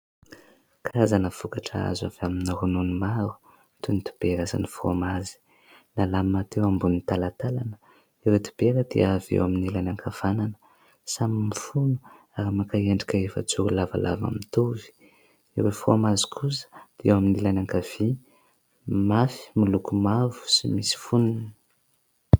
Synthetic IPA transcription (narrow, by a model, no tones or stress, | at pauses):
kaazanəv̥ukaʈ͡ʂa̰a̰za̰vaminirununumaɾu̥ | t̪unit̪u̥b̥eɾasa̰nifro̰mazi̥ | nalammat̪ewambunit̪alat̪alanə̥ | iwet̪u̥b̥eɾəd̪iaavḛwaminilanaŋkʰav̥ananə̥ | samimifunu̥ | aɾimakaeɳɖ͡ʐikʲaefə̰t͡suɾulava̰lʔa̰va̰mit̪uvi̥ | iɾefromazi̥kʰusə̥d̪̥iwaminilanaŋkav̥i | mafi̥milukumavu̥simisi̥fununə